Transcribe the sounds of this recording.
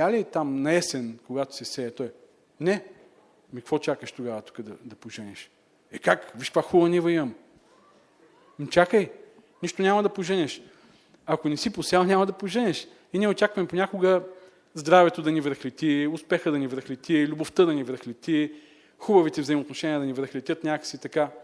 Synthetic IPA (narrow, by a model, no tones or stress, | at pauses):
alʲit̪amnɐɛsɛnkoɡat̪o̥sɛsɛɛt̪ɔj | nɛ | mikɐkvɔt͡ʃakəʃt̪oɡavət̪u̥kəd̪ɐd̪ɐpoʒɛnɛʃ | ɛkakviʃkvaxulˠənivɐimɐm | mt͡ʃakəj | niʃt̪onʲamɐd̪ɐpoʒənʲɛʃ | ɐkonɛsiposalˠnʲamɐd̪ɐpoʒɛnʲɛʃ | iniɛot͡ʃakvɐmɛponʲakoɡə | zd̪ɾavɛt̪od̪ɐnivɾəxlɛt̪ʲiʊspɛxəd̪ɐnivɾəxlʲɛt̪ʲilʲuboft̪əd̪ɐnivɾəxlʲɛt̪ʲi | xubəvit̪ɛvzɐjimot̪noʃɛnʲiɛd̪ɐnivɾəxlʲɛt̪ʲət̪nʲakə̥sit̪ɐka